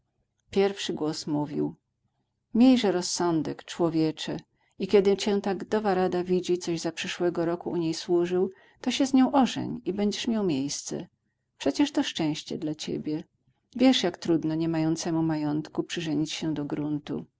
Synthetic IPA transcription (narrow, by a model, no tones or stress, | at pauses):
pʲjɛɾfʂɘɡwɔsmuvʲḭw | mʲjejʐɛɾɔsːɔnd̪ɛkt͡ʂwɔvʲjɛt͡ʂɛ | ikʲɛd̪ɘt͡ɕɛt̪aɡd̪ɔvaɾad̪avʲid͡ʑit̪sɔʑzapʂɛʂwɛɡɔɾɔkuʔuɲejswuʐɘw | t̪ɔɕɛzɲɔ̃w̃ʔɔʐɛ̰ɲibɛɲd͡ʑɛʂmʲjawmʲjejst̪sɛ̰ | pʂɛt͡ɕɛʂt̪ɔʂt͡ʂɛ̃w̃ɕt͡ɕɛ̰d̪lat͡ɕḛbʲjɛ | vʲjɛʂjakt̪ɾud̪nɔɲɛmajɔnt̪sɛmumajɔnt̪kupʂɘʐɛɲit͡ɕɕɛd̪ɔɡɾunt̪ṵ